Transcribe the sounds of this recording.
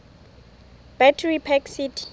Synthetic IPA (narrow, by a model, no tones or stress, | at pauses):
b̥atʰɛɹipʰɛksitʰi̥